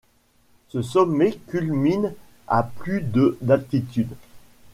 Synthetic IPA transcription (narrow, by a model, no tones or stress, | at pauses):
səsɔmːekʲylmin | a̰plyd̪əd̪alt̪it̪yd̪